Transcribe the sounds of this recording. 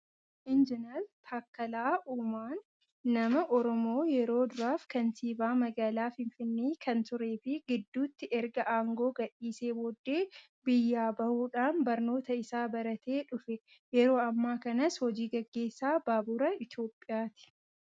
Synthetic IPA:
ʔɪnd͡ʒɪnɐlt̪ʰaːkːɐlaːʔuːmaːnː | ɐmɐʔɔɾɔmo̞ːjɛɾo̞ːd̪ʊɾaːfkɐnsiːbaːmɐɡaːlaːfɪɱfɪnːiːkɐnt̪ʊɾe̞ːfɪɡɪd̪ːuːt̪ːɪʔɛɾɡɐʔaːŋɡo̞ːɡɐᶑiːse̞ːboːd̪ːe̞ː | bɪjːaːbɐhuːᶑaːnbɐɾno̞ːt̪ɐɪsaːbɐɾɐt̪ʰe̞ːᶑʊfɛ | jɛɾo̞ːɐmːaːkɐnɐshɔd͡ʒiːɡɐɡːe̞ːsːaːbaːbʊɾɐɪt̪jo̞ːpʼːɪjaːt̪ɪ̥

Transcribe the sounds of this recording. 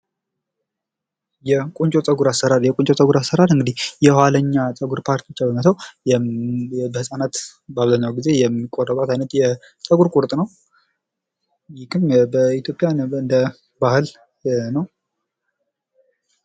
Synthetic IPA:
jɛkʼunt͡ʃʼot͡sʼəɡuɾasəɾaljɛkʼunt͡ʃʼot͡sʼəɡuɾasːəɾalɨŋɡɨd̪ihjɛhaləɲːat͡sʼəɡuɾpʰaɾt̪ʰijot͡ʃːabəmət̪ʰəwj | bəhɨsʼanat̪baβzəɲːawɡize̞jɛmːikʼorəβʼat̪ʰajnət̪jɛ | t͡sʼəɡuɾkʼuɾt̪ʼnəw | jɪkɨmbəit̪jo̞pʼjanɨnd̪ə | bahɨl | nəw

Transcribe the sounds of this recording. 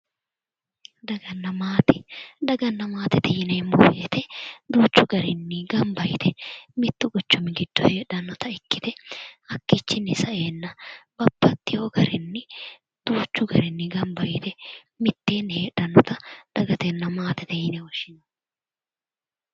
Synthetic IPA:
d̪ɐɡɐnːɐmaːt̪ɪd̪ɐɡɐnːɐmaːt̪ɛt̪ɛjɪneːmo̰ːjɛt̪ɛd̪uːt͡ʃːʊɡɐɾɪnːɪɡɐmbɐjt̪ʰɛmɪt̪ːʊɡɔt͡ʃːɔmɪɡɪd̪̥ːɔheːᶑɐnːɔt̪ɐɪkːɪd̪ɛɐkːɪt͡ʃːɪnːɪsɐʔe̞ːnːɐb̥ɐbːɐt̪ːɪjoːɡɐɾɪnːɪ | d̪̥uːt͡ʃːʊɡɐɾɛnːɪɡɐmbɐjɪt̪ɛ | mɪt̪ːe̞ːnhe̞ːᶑɐnːɔt̪ɐd̪̥ɐɡɐt̪ɛnːɐmaːt̪ɛt̪ɛjɪnɛwɔʃɪnɐ̥

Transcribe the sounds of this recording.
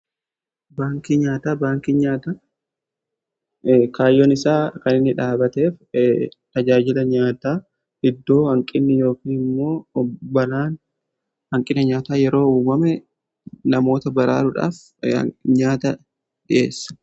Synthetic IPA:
baːŋkiɲaːt̪aːbaːŋkiɲaːt̪a | kaːjɔnɪsaːkɐnɪnːɪᶑaːbɐt̪e̞ːft̪ɐd͡ʒaːd͡ʒɪlɐɲaːt̪aː | ɪd̪ːo̞ːhɐŋkʼɪnːɪjo̞ːkiːnɪmːo̞ːbɐlaːn | hɐŋkʼɪnɐɲaːt̪aːjɛɾo̞ːuːmɐmɛ | nɐmo̞ːt̪ɐbɐɾa̰ːɾʊᶑa̰ːf | ɲaːt̪ɐ | ᶑɪʔe̞̰ːsːɐ̥

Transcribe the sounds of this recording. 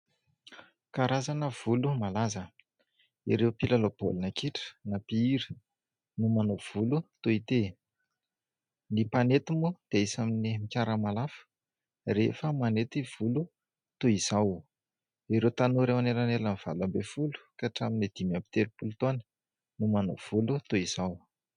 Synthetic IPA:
kaɾazanəv̥ulumalazə | iɾewpilalob̥o̰lunəkiʈ͡ʂə̥napiiɾi̥ | numanov̥ulut̪oit̪e | nipanet̪umud̪̥eaisaminimikʲaɾəmalafə̥ | rḛfəmanet̪iv̥ulu | t̪oiz̥aw | iɾewt̪anoɾewaneɾanelaniv̥a̰lambefulu̥kaʈ͡ʂaminid̪̥imampi̥t̪eɾupulut̪onə̥ | numano̰v̥ulut̪oiz̥aw

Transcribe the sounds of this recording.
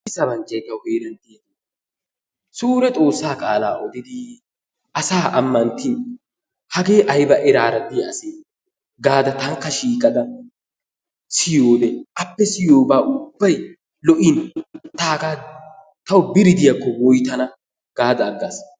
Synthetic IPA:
ɪsɐbɐnt͡ʃʼːɐjt̪ɐwheːd̪ɛnt̪ːɪjɛt̪ː | suːɾɛt͡sʼo̞ːsːaːkʼaːlaːʔɔd̪ɪd̪ɪ | ʔɐsaːʔɐmːɐnt̪ːin | hɐɡeːʔɐjbɐʔɛɾaːɾɐd̪ɪɐseː | ɡaːd̪ɐt̪ɐŋkːɐʃiːkʼɐd̪ɐ | sɪjoːd̪ɛʔɐpːɛsɪjoːbaːʔʊbːɐj | lɔʔɪnt̪aːkaː | t̪ɐwbɪɾɪd̪ɪjɐkːɔwɔjt̪ɐnɐ | ɡ̥aːd̪ɐːɡːɐs

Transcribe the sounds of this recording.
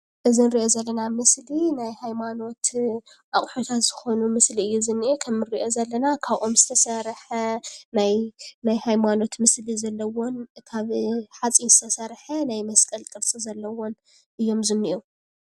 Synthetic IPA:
ʔɨzinɾiʔo̞zɐlːɐnamɨslinajhajmano̞t̪ | ʔaχʼħot̪ʰat̪z̥ɨxo̞numɨsliɨjːuzɨnːiʔekʰɐmːɨɾiʔo̞zɐlːɐnakʰaβʔo̞mzɨt̪ʰɐsɐɾħɐnajnajhajmano̞t̪mɨslizɐlːɐwonkʰaβħat͡sʼinzɨt̪ʰɐsɐɾħɐnajmɐskʼɐlt̪ʼɨɾt͡sʼizɐlːɐwon | ʔɨjːo̞mzɨnːiʔo

